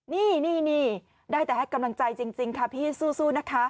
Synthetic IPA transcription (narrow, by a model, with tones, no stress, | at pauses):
niː˥˩niː˥˩niː˥˩ | daː˥˩jt̪ɛː˨˩a˥˩jka˧mla˧ŋt͡ɕa˧jt͡ɕi˧ŋt͡ɕi˧ŋkʰa˥˩pʰiː˥˩suː˥˩suː˥˩na˦˥kʰa˦˥